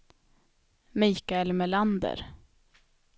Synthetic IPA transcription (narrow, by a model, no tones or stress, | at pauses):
miːkaɛlmɛland̪ə̰ɾ